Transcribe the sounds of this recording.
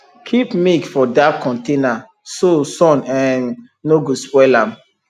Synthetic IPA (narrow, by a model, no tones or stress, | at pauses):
kʰipmikfɔdakʰːɔ̃ntena | sosɔ̃nɛ̃nː | oɡospwɛlãm